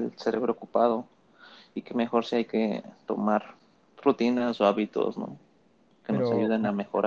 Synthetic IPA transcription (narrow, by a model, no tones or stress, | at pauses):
lseɾe̞βɾookupað̞o̞ | ikeme̞xo̞ɾsiajket̪o̞̰maɾ | rut̪inaso̞aβit̪o̰sno̰ | ke̞noosaʝuðenamexo̞ɾa